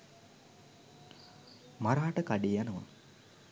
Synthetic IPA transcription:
maɾaːʈəkaɖijanəʋa̰

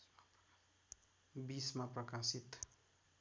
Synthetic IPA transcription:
bismaprʌkasit̪

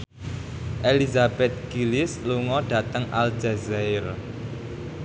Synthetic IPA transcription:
ʔelizab̥ɛt̪̚ɡ̥ilɪsluŋɔɖ̥ä̤t̪əŋʔald͡ʒɛzɛɪr

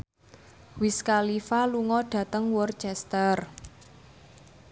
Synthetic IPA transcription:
wɪskalifaluŋɔɖ̥ä̤t̪əŋwɔrt͡ʃɛst̪ər

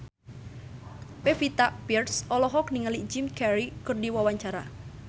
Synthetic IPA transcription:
pefit̪aʔpirsɔlɔɦɔkniŋalid͡ʒimkɛɾikɨrdiwawaɲt͡ʃaɾa̰

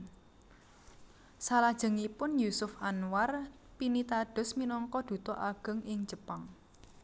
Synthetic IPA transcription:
salad̥ʒ̥ə̤ŋipʊnjusʊfanwar | pinit̪aɖ̥ʊ̤sminɔŋkɔd̪̥ṳt̪ɔʔaɡ̥ə̤ŋʔɪŋ̥d͡ʒ̥ə̤paŋ

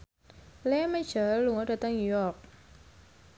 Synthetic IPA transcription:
lɛmad͡ʒəːuŋɔdat̪aŋɲujɔk̚

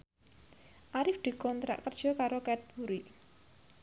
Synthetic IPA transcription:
ʔaɾɪfd̪̥e̤kɔnt̪ɾa̰ʔkərd̥ʒ̥ɔ̤kaɾokɛt̪̚b̥uɾi

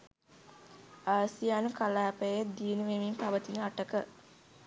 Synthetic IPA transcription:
aːsijaːnukalaːpejj̚d̪inuʋemimpaʋət̪inəaʈəkə

